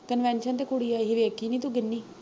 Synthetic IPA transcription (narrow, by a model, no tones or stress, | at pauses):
kənʋɛ̃ːnʃənt̪eːkʊɽiːaːɦiʋeːkːiːnĩːt̪uɡɪnːiː